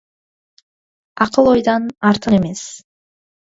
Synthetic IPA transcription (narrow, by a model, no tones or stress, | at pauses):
ɑqɯlˠo̞jd̪ɑnɑɾt̪ʰɯneme̞s